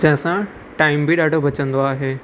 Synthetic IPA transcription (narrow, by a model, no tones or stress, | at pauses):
d͡ʑɐ̃ɦɪ̃sã | ʈaːɪmbʱiɗaːɖʱobɐt͡ɕə̃nd̪oaːɦeː